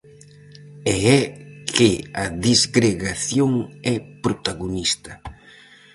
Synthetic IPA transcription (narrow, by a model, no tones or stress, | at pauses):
ɛɛkʰɪɐðizɡɾeɣaθjoŋɛpɾot̪aɣonist̪ɐ